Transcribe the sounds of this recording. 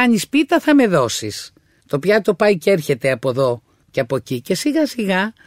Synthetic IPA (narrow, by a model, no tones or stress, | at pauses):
ɐɲispit̪ɐθɐme̞ðo̞sis | t̪o̞pçɐt̪o̞pɐjcee̞ɾçe̞t̪e̞ɐpo̞ðo̞ | ceɐpo̞cice̞siɣɐsiɣɐ